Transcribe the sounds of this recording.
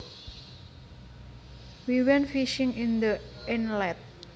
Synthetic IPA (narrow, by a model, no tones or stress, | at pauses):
wiwɛnfiʃɪŋind̪əɛnlɛt̪̚